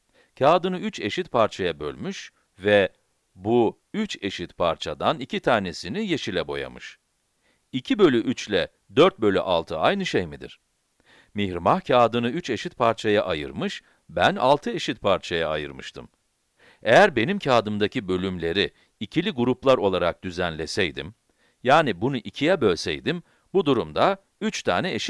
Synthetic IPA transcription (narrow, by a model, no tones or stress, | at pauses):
cʰaːd̪ɯnɯyt͡ʃe̞ʃit̪̚pʰaɾt͡ʃʰajabø̞̰lʲmyʃ | vɛ | bu | yt͡ʃe̞ʃit̪pʰaɾt͡ʃʰad̪anicit̪ʰaːɾnesinije̞ʃilʲɛbo̞̰ja̰mɯʃ | icʰibø̞lʲyʔyt͡ʃlʲɛ | d̪øɾt̪̚bø̞lʲy̰ʔalˠt̪ʰɯajnɯʃejmid̪ḭɾ̥ | miçɾmaxcʰaːd̪ɯnɯyt͡ʃe̞ʃit̪̚pʰaɾt͡ʃʰajaʔajɯ̰ɾmɯʃ | bæna̰lˠt̪ʰɯe̞ʃit̪̚pʰaɾt͡ʃʰajaːjɯ̰ɾmɯʃt̪ʰɯm | ejæɾbe̞nimcʰaːd̪ɯmd̪acʰibø̞lʲymlʲe̞ɾi | icʰilʲiɡuɾuplˠaɾo̞lˠaɾak̚d̪̥yzænlʲesɛjd̪ḭm | jaːnibunuʔicʰijɛbø̞lʲsɛ̰jd̪im | bud̪uɾumd̪a | yt͡ʃt̪ʰaːnɛeʃi